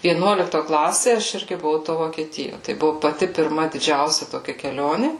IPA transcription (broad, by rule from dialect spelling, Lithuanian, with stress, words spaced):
ʋʲiɛˈnuɔlʲɪktoː ˈklˠɑːsʲeː ɐʃ ˈɪrʲɡʲɪ bʊˈʋɐʊ toː ʋoːkʲiɛˈtʲɪjoː tɐɪ ˈbʊʋʊ pɐˈtʲɪ pʲɪrˈmɐ dʲɪˈd͡ʒʲɛʊsʲɛ toːˈkʲɛ kʲɛˈlʲoːnʲɪ